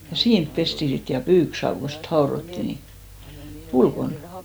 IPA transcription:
jɑ siːnp pesti sit jɑ pyːksɑːʋ ko sit hɑorotːi ni ulkon

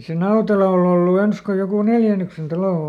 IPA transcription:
se nɑutelɑ ol olːu ens ko jokuˑ neljænyksen tɑlo

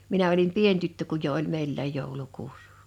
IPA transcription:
minæ̃ olim pien tytːø kuj jo ʔolʲ meilːæˑj joˑulʲukuːs

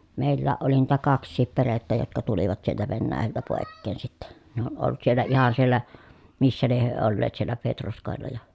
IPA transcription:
meˑilːæːʔ ʔoli niːtæ kɑksˑiːp peretːæ jotkɑ tuliʋɑt sieltæ ʋenːæːjæltæ poˑekːeːn sitːe ne on olt sielːæ ihɑn sielːæ misːæ lieh hyø olːeːt sielːæ petroskoˑelːɑ jɑ

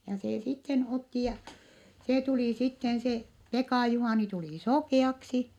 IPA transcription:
jɑ seː sitːen otːi jɑ se tuliˑ sitːen se pekɑˑ juhɑˑni tuliˑ sokeˑɑksi

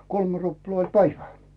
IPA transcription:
kolme̥ ruplɑː olʲ pæiʋæ

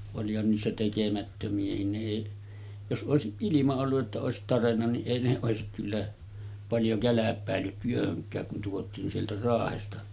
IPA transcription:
olihɑn niːsːæ tekemætːømiæhin ne eˑiʔ jos ʔoˑesiʔ ʔilimɑ olːuʔ ʔetːæ oˑesit tɑrenːɑ niʔ ʔeˑi ne oˑesik kylːæ pɑljo kælæpˑæˑelːyt tyøhøŋkˑæːk kun tuotiːn sieltæ rɑːhestɑ

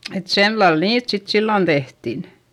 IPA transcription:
et selːɑl niːt sit silːon tehtin

